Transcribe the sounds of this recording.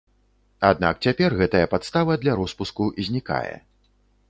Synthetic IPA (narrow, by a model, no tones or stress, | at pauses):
ad̪na̰k̚t͡sʲapʲɛrɣɛt̪ɐjɐpat̪st̪avɐd̪lʲaɾɔspuskuizʲnʲika̰jɛ̰